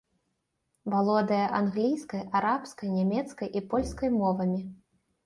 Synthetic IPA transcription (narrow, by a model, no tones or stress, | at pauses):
valˠɔd̪ɐjɐʔanɣlʲijskɐjaɾapskɐjnʲamʲɛt̪skɐjʔipɔlʲskɐjmɔvɐmʲi